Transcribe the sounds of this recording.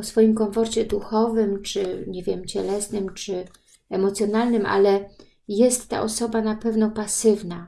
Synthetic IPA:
ɔsfɔjimkɔnfɔɾt͡ɕɛd̪uxɔvɘmt͡ʂɘɲɛvʲjɛmt͡ɕɛlɛsnɘmt͡ʂɘ | ɛmɔt̪sʲjɔnalnɘmʔa̰lɛ | jɛst̪ːa̰ʔɔsɔbanapɛvnɔpasɘvna

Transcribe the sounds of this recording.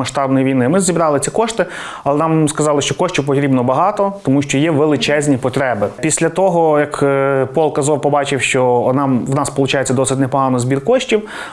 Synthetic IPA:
ɐʃt̪ɑbnɔjiʋʲijnɪmɪzʲibɾɑlˠɪt͡sʲikɔʃt̪ɪ | ɐlˠɛnɑmskɐzɑlˠɪʃt͡ʃɔkɔʃʲt͡ʃʲiwpɔt̪ɾʲibnɔbɐɦɑt̪ɔt̪ɔmuʃt͡ʃɔjɛʋelˠɪt͡ʃɛzʲnʲipɔt̪ɾɛbɪpʲisʲlʲɐt̪ɔɦɔjɐkpɔlˠkɐzɔwpɔbɑt͡ʃɪwʃt͡ʃɔnɑmwnɑspɔlˠʊt͡ʃɑjet͡sʲːɐd̪ɔsɪtʲnɛpɔɦɑnɔzʲbʲirkɔʃtʲiw

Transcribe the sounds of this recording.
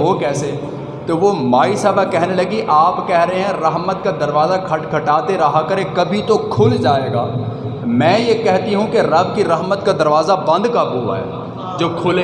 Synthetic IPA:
ɦokɛːse | t̪oʋomaːisaːbʱakɛɦnelɐɡiʔaːpkɛɦɾɐɦeɦɛ̃ɾɐɦmət̪̚kad̪ɐɾʋaːzakʰɐʈkʰɐʈaːt̪eɾɐɦakɐɾekɐbʱit̪okʰʊld͡ʒaːeːɡa̰ː | mɛ̃ːjekɛɦt̪iɦũkeɾɐb̚kiɾɐɦmət̪kad̪ɐɾʋaːzabɐ̃nd̪kɐbɦua̰ɦɛ̰ː | d͡ʒoːkʰʊl

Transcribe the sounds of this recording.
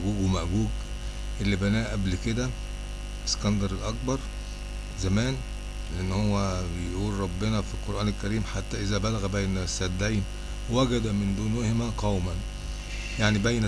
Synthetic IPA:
ɡuːɡwemæʔɡuːɡ | ʔelːibænæːʔæblked̪æ | eskænd̪ɑɾˤelʔɑk̚bɑɾˤ | zæmæːn | leʔenːhowːæbejʔuːlɾˤɑbːenɑfilqoɾʔæːnelkæɾiːmħat̪ːæʔezæbælæɣæbejnsːæd̪ːæjn | wæɡæd̪æmend̪uːnehemæqæwmæn | jaʕnibæjnæ

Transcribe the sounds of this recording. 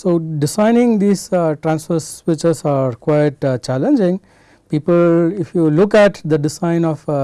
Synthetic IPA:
soːɖɪsãɪnɪ̃ŋd̪iːsʈɾãnsfəɾsʋɪt͡ʃəsaːɾkwaɪʈt͡ʃælə̃nd͡ʒɪ̃ŋ | piːpəlɪfjulʊkæʈd̪əɖɪsãɪ̃nɔf

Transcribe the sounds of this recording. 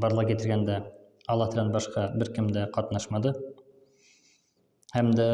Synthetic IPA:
bɑɾlˠɑqkʲet̪ɾɡʲend̪æ | ɑlˠɑt̪ɾɑnbɑʃqɑbɪɾkʲɪmd̪æqʰɑt̪nɑʃmɑd̪ə | hæmd̪æ

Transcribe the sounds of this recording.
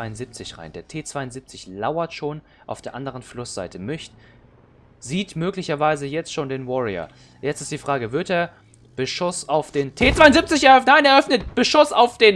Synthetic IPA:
aɪʊnzip̚t͡sɪçʁa̰ɪndeːɐtʰeːt͡sv̥aɪʊnziːp̚t͡sɪçlaʊɐtʃoːn | ʔaʊfd̥eːɐʔandəʁənflʊsz̥a̰ɪtʰəmʏçt | ziːtmøːklɪçɐvaɪzəjɛt͡stʃoːndeːnvɔʁiɐ̰ | jɛt͡stɪstd̥iːfʁ̥aːɡəvɪɐteːɐ | b̥əʃʊsaʊfd̥eːntʰeːt͡sv̥aɪʊnzip̚t͡sɪçɛɐœfnaɪneːɐʔœfnət̚b̥əʃʊsaʊfd̥eːn

